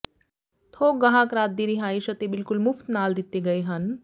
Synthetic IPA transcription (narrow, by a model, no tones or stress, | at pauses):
t̪ʰokɡɐɦakɾad̪ːiɾiɦaːiɕət̪ebɪlkulmuft̪nald̪it̪ːeɡɐeɦan